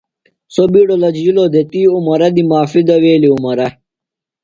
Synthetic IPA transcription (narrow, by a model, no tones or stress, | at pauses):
sobiɽolɐd͡ʑjilod̪et̪iːumɐɾɐd̪imaːfid̪ɐweːliumɐɾɐ